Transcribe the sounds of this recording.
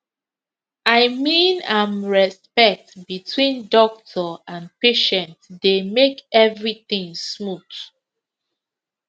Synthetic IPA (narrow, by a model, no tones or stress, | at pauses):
aɪmĩnãmɹɛspɛk̚tbitʰwĩndɔk̚tʰɔãnpeʃɛ̃ntdemekɛvɹiθĩŋsmuθ